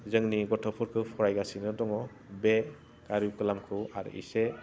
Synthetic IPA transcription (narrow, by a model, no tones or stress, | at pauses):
zɯŋniɡɔtʰɔpʰɔɾkʰɯpʰɔɾajɡasinɯdɔŋɔ | be | kaɾjuwkɯlamkʰɯaɾḭse